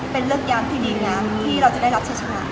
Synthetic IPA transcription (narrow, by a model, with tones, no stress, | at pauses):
pe˧nɾɯ˥˩ək̚jaː˦˥mt̪ʰiː˥˩diː˧ŋaː˦˥mt̪ʰiː˥˩ɾa˧wt͡ɕa˨˩da˥˩ɾa˦p̚t͡ɕʰa˥˩t͡ɕʰa˧wa˧˩ʔ